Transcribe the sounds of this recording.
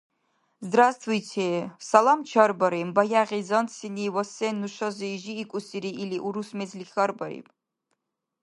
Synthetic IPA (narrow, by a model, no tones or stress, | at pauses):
zd̪rast̪ʰwujtʰesalamt͡ʃʰɐrbɐɾembajaʁʲizɐnsiniwasenːuʃɐzɨiʒiːkʷʼusiɾiiliʔuɾusmezlixʲɐrbɐɾḭpʼ